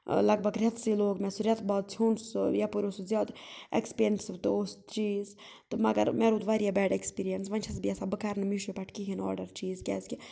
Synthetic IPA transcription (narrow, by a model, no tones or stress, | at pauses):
lɐɡ̚bʱɐɡɾʲɐt̪ʰsiloːɡmɛsuɾʲɐt̪ʰbaːd̪̚t͡sʰuːɳsjapuɾʲosuzʲjaːd̪ḛkspeɾnʈsbt̪ɨoːst̪t͡ʃiːz | t̪ɨmɐɡɐ̰ɾmeːɾuːd̪ʋaːɾijaːbɛːɖekspiːɾijɐnsʋɐnʲt͡ʃʰɐsbiɐsabɨkaːɾnɨmiʃupɐʈʰkiɦinɔ̰ːɾɖɐɾt͡ʃiːzkʲɛ̰ːski